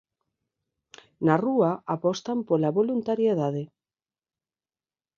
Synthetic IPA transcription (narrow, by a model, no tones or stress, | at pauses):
naruaapɔst̪ampolaβolunt̪aɾjeðaðe